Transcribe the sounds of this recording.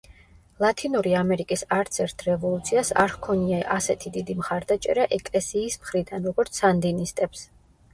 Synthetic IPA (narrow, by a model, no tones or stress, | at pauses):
lˠat̪ʰinuɾiamɛɾikʼisaɾt̪sʰɛɾt̪ʰɾɛvɔlˠut̪sʰiasaɾhkʰɔniaʔasɛt̪ʰid̪id̪imχaɾd̪at͡ʃʼɛ̰ɾaʔɛkʼlɛsiːsmχɾid̪anɾɔɡɔɾt̪sʰand̪inist̪ʼɛps